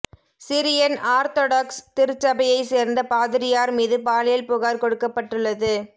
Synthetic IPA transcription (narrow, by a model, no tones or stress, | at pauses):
sɪɾɪjɐnaːɾt̪oːɽɐkst̪ɪɾɯt͡ʃːɐbɐjɐɪseːɾnd̪ɐpaːðɪɾɪjaːɾmiːðɯpaːlɐjɐlpʊɣaːɾkɔɽɯkːɐpːɐʈːɯɭːɐðɯ